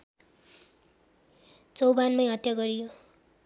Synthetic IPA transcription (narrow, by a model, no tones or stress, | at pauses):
t͡sʌwbanmʌjɦʌt̪jaɡʌɾijo